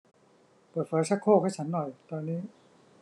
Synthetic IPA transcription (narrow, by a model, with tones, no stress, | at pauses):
pɤː˨˩t̪̚fɤː˨˦˥sʰa˦˥kʰoː˥˩kʰaː˥˩t͡ɕʰa˦˥nːɔ˨˩jt̪ɔː˧nːiː˦˥˩